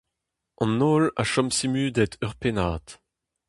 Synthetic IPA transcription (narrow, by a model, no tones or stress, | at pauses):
ɑ̃noːla̰ʃɔmsimyːd̪ɛt̪ʰœʁpenaːt̪